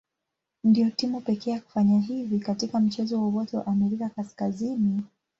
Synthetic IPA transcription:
ndijɔtimupɛkɛːjaku̥faɲaɦivikatikam̩t͡ʃɛzɔwawɔtɛwa̰ʔamɛɾikakaskazini

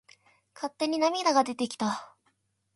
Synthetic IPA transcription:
kʰat̪ːe̞ɲ̟inamʲid̪aɡad̪e̞t̪e̞kʲi̥t̪a

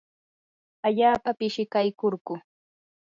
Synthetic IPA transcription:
aʎaːpapɪʃɪkajkoɾɢʊ

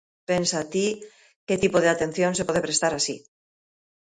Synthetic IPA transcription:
pensat̪i | ket̪ipoð̞eat̪e̞n̟θjõnsepoðepɾest̪aɾasi

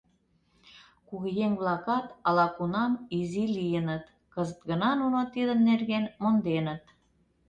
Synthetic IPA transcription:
kuɣjeŋβlɑkɑt̪ɑlɑkunɑmizilijənə̆t̪ | kəzət̪ɣə̆nɑnunot̪id̪ə̆mnerɣenmond̪enə̆t̪

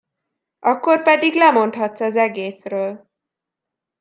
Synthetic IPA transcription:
ʔɒkːo̞rpɛd̪iɡlɛmo̞nt̪hɒt̪sɒzɛɡeːsrøːl

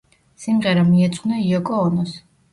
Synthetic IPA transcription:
simʁɛɾamiɛt̪sʼnaiɔkʼɔːnɔs

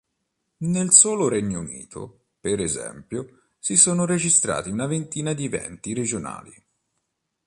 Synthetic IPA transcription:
nelsoːlʊɾeɲːounḭːt̪ʰo̰ | peɾezɛ̰mpjo | sisoːnʊɾed͡ʒist̪ɾa̰ːt̪iunavent̪iːnad̪ivɛ̰nt̪iɾed͡ʒona̰ːlḭ

